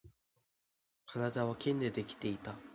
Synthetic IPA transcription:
kʰanad̪aβ̞akʲʰẽ̞nd̪e̞d̪e̞kʲi̥t̪e̞it̪a

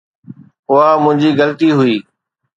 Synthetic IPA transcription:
ʊamʊ̃ɦɪ̃ɲd͡ʑiːɡəlt̪iːɦʊiː

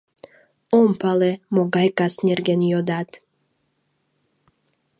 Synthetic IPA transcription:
ompalemoɡajkasnʲerɡenjod̪at̪

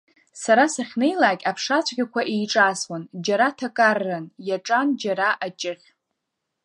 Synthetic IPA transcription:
saɾasaχʲne̞jlaːkʲʼapʰʂat͡ɕʷʰɡʲakʷʰaʔejʈ͡ʂʼaswand͡ʒaɾatʰakʼarːanjaʈ͡ʂʼand͡ʒaɾaʔat͡ʃʼɪχʲ

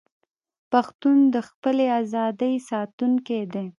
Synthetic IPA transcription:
paxt̪und̪əxpəleazɑd̪əjsɑt̪uŋked̪e

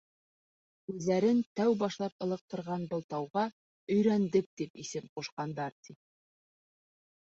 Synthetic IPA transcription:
kʉðːæɾɘnt̪æwbɑʃlˠɑp̚ɤ̆lˠɤ̆q̚t̪ɤ̆ɾʁɑnbɤ̆lˠt̪ɑwʁɑ | ɵ̆jɾænd̪ɘp̚t̪ipisɘmquʃqɑnd̪ɑɾt̪i

